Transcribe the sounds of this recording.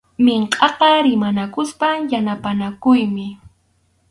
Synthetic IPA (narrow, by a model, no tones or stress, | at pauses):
meɴqʼɑqɑɾɪmanakʊspajanapanakʊjmɪ